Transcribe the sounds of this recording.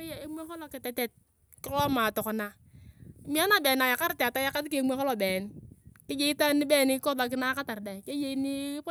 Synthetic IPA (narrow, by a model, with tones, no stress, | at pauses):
e˦ja˨e˦mʷ˦e˦hɔ˦lɔ˨kɪ˨tɛ˨tɛ˨t̚ | kɪ˦lɔ˦ma˨tɔ˨kɔ˨na˨˦ | mi˦a˦na˨beː˨na˨ja˨ka˦ɾte˨ta˦ja˦ka˦tke˦mʷ˦e˦hɔ˦lo˨beː˨nkɪ˦d͡ʒe˦i˦ta˦ni˦bɛ˦˨ni˦kɔ˦da˨k̬ɪ˦na˦ka˦ta˨ɾdɛ˨ke˦je˦i˦ni˦p